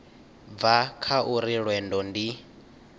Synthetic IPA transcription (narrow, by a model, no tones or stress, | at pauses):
vakʰaʔuɾiɺwɛndɔndi